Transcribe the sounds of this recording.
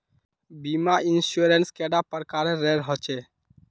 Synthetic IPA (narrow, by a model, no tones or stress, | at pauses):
bimainsuɾenskeɖapəɾkaɾeɾeɾɦɔt͡ʃe